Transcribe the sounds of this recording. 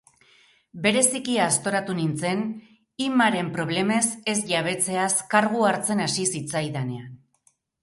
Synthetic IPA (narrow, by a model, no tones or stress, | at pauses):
be̞ɾe̞sikiaːst̪o̞ɾat̪unint͡se̞n | imaɾe̞mpɾo̞β̞le̞me̞se̞sʝaβ̞e̞t͡se̞askaɾɣuaɾt͡se̞nasisit͡sajðane̞a